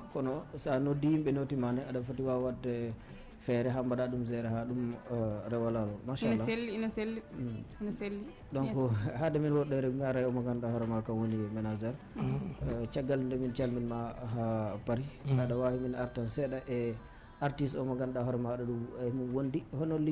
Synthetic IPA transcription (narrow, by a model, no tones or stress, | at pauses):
kɔnɔsanodijimɓɛnotimanɛaɗafotiwawadːɛ | fɛɾɛɦambaɗaɗumzɛɾɛɦaɗumɾɛwalalɔmaʃanlaelːinɔselːinelːi | ɗɔnkɔhadɛminwɔɗːɛɾɛumaɾajɔmɔɡanɗahɔɾɛmakawoniwɛmɛnazɛɾ | t͡ʃaɡːalndɛmint͡ʃalminmaɦapaɾiaɗawahiminaɾtansɛɗaʔɛ | aɾtisɔmɔɡanɗahɔɾɛmaɗɔɗuɛminwondihɔnolːi